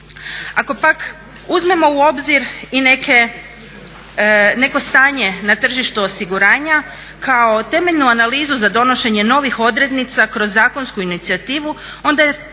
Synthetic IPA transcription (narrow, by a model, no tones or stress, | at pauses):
ako̞pak | uzme̞mo̞uo̞bziɾine̞kʰe̞ | ne̞ko̞st̪aːɲe̞nat̪r̩ʒiʃt̪uosiɡuɾaːɲa | kʰao̞t̪e̞me̞ʎnuanaliːzuzad̪o̞noʃe̞ɲe̞no̞ʋixo̞d̪ɾed̪nit̪sakɾo̞zːaːko̞nskuinit̪sijat̪iːʋu | o̞nd̪a